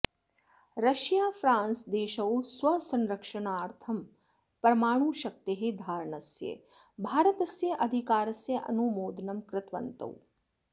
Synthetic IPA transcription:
ɾɐʃjaːfɾãːnsd̪eːʃɐwsʋɐsɐnɾɐkʂɐɳaːɾt̪ʰɐm | pɾɐmaːɳ̃uːʃɐk̚t̪eɦed̪ʱaːɾɳɐsjḛ | bʱaːɾɐt̪ɐsjɐʔɐd̪ʱikaːɾɐsjɐʔɐ̰numoːd̪nɐmkɾɪt̪ʋɐ̰nt̪ɐ̰w

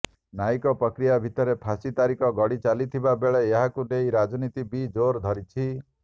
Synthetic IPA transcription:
naikɔpɾɔkɾijabʱit̪ɔɾepʰasit̪aɾikɔɡɔɽit͡ʃalit̪ʰibabeɭeːɦakunejɾad͡ʒɔnit̪ibid͡ʒoɾd̪ʱɔɾit͡ʃʰi

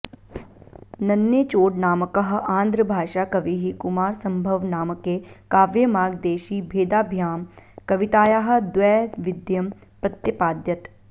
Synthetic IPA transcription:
nɐnːjet͡ʃoːʈnaːməkɐɦãːnd̪ɾəbʱaːʃaːkɐʋiːɦikʊmaːɾsɐmbʱɐʋnaːməkeːkaːʋjəmaːɡ̚d̪eːʃiːbʱeːd̪aːbʱjaːmkɐʋɪt̪aːjaɦɐ̆d̪ʋɛːʋɪd̪jɐm | pɾɐt̪jəpaːd̪jɐt̪

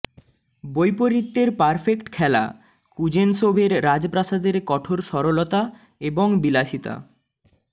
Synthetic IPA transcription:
bojpoɾit̪ːeɾpaɾfekʈkʰɛla̰ | kud͡ʑenʃobʱeɾːad͡ʑpɾaʃad̪eɾkɔʈʰoɾʃɔɾolot̪a | eboŋbilaʃit̪a̰

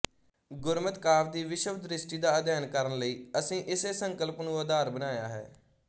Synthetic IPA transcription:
ɡʊɾmət̪kaːɾd̪iːʋɪʃəbd̪ɾɪsʈiːd̪aːəd̪jaːnkəɾənləiːəsĩːʔɪseːsəŋkəlpnũːəd̪aːɾbənaːjaːɦɛ̰ː

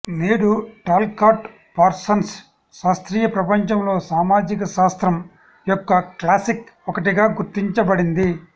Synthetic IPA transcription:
neːɽuʈaːlkaːʈ | pɐɾsɐnsː | aːst̪ɾiːjɐpɾɐpɐɲt͡ʃɐmlo̞ːsaːmaːd͡ʒikɐsaːst̪ɾɐm | jɔkːɐklaːsikɔkɐʈiɡaːɡuɾt̪iɲt͡ʃɐbɐɽind̪i

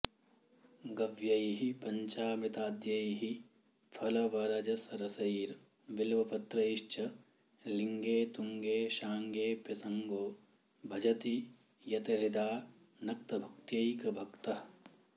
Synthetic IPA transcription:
ɡɐʋjɐjɦipɐɲt͡ʃaːmɾɪt̪aːd̪jɐjɦi | pʰɐlɐʋɐɾɐd͡ʒɐsɐɾɐsɐɾ | ʋɪlʋɐpɐt̪ɾɐiʃt͡ʃʰɐ | lɪŋɡeːt̪uŋɡeːʃaːŋɡeːpɐsɐŋɡoː | bʱɐd͡ʒɐt̪i | jɐt̪ɐɾɪd̪aː | nɐk̚t̪ɐbʱɐkt̪jɐikɐbʱɐkt̪ɐɦ

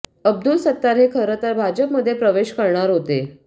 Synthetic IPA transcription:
əb̚d̪ulsət̪ːaɾɦekʰəɾət̪əɾbʱad͡ʑəpməd̪ʱːjepɾəʋeɕkəɾɳaɾɦot̪e

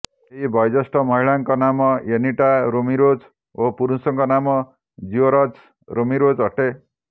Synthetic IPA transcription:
ɦibʱʌjd͡zʌsʈʌmʌɦiɭaŋkɔnamʌjeniʈaɾomiɾod͡z | opuɾusʌŋkɔnamɔ | d͡ʒioɾʌt͡s | ɾomiɾod͡zɦʌʈe

